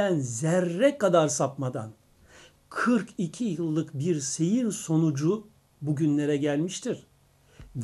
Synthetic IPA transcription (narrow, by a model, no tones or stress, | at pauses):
ænzæɾːɛkʰad̪aɾsapmad̪a̰n | kʰɯɾkʰicʰijɯlˠːɯkbiɾse̞jiɾso̞nud͡ʒu | buɟynlʲe̞ɾɛɟælʲmiʃt̪ʰiɾ̥